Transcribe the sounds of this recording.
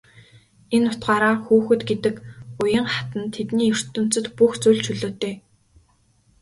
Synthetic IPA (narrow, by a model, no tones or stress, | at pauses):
enːʊt̪ɢaːɾaːxuːxɵ̆t̪ɡet̪ɘ̆kʊjə̆ɴχḁt̪ə̆nt̪ʰːet̪niːɵr̥t̪ɵ̆m̥t͡sɵ̆t̪puxt͡sujɮt͡ɕʰɵɮoːt̪eː